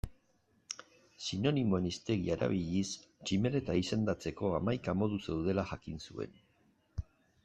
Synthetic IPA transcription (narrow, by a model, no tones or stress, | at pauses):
sino̞nimo̞enist̪e̞ɣḭaɾa̰βiʎist͡ʃime̞ɾe̞t̪aise̞nd̪at͡se̞ko̞amajkamo̞ðuse̞wð̞e̞laxakinsue̞̰n